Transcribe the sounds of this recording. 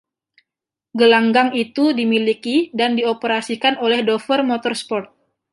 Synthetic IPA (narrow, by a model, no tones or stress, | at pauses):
ɡəlaŋɡaŋit̪udimilikidandiopəɾasikanolɛhdofərmot̪ɔrspɔrt̪̚